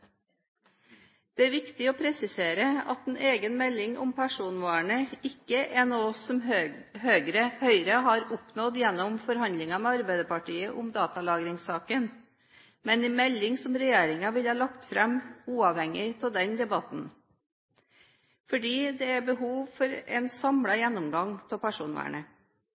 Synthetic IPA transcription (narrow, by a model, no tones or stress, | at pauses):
d̪̥ɛæɾʋɪkt̪ɪoːpʰɾɛsɪseːɾəɑ̰t̪ɛnʔeːɡənmɛlːɪŋʔʊ̰mpʰæʂuːnʋɑːɳəɪkːəʔɛnoːsɔmhøːɡɾəhœʏɾəɦɑɾʊpnɔd̪jɛnːɔmfɔɾhɑnd̪lɪŋɑmɛɑɾbæɪd̪əpɑʈiːəʔʊmd̪ɑːt̪ɑlɑːɡɾɪŋsɑːkən | mɛnɛmɛlːɪŋsɔmɾɛjeːɾɪŋɑʋɪlhɑːlɑkt̪fɾɛmuːɑʋhɛŋɪt̪ʰɪld̪ɛnd̪ɛbɑt̪n̩ | fɔɖiːd̪ɛæɾbəɦuːʋfɔɾɛ̰nsɑmɽɑjɛnːɔmɡɑŋt̪ʰɪlpæʂuːnʋɑ̰ːɳə